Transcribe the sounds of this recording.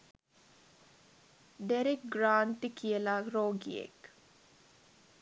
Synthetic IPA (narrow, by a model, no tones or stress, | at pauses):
ɖeɾik̚ɡɾaːnt̪ikijəlaɾoːɡḭḛk